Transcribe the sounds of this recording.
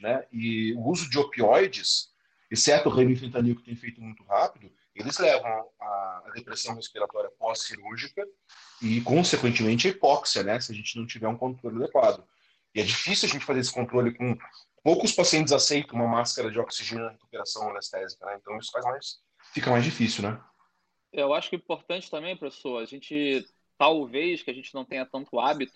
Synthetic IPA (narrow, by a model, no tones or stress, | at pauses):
nɛɪʊuzʊd͡ʒɪopiɔjd͡ʒɪs | esɛɾt̪ʊʁẽjmĩfẽnt̪ɐniʊkɪt̪ẽj̃fejt̪ʊmũj̃t̪ʊhapid̪ʊ | elɪzlɛvɐ̃w̃aːd̪epɾesɐ̃w̃hespiɾat̪ɔɾiɐpɔsːiɾuɾʒikɐ | ɪkõsekwẽnt͡ʃɪmẽnt͡ʃɪɐipɔksiɐnɛsɪɐʒẽnt͡ʃɪnɐ̃w̃t͡ʃivɛɾũkõnt̪ɾolɪad̪ekwad̪ʊ | ɪɛd͡ʒifisiuwaɐʒẽnt͡ʃɪ̥fazeɾesɪ̥kõnt̪ɾolɪkõ | powkʊspasiẽnt͡ʃɪzasejt̪ɐ̃ũmɐmaskɐɾɐd͡ʒɪɔksiʒẽnɐheku̥peɾasɐ̃w̃onest̪ɛzikɐnɛẽt̪ɐ̃w̃isʊ̥fajzmajs | fikɐmajzd͡ʒifisiwnɛ | ɛewaʃʊ̥kĩpoɾt̪ɐ̃nt͡ʃɪ̥t̪ɐ̃mẽj̃pɾesoɐɐʒẽnt͡ʃɪ | t̪awvejskʲɪɐʒẽnt͡ʃɪnɐ̃w̃t̪ẽɲ̃ɐt̪ɐ̃nt̪ʊabit̪ʊ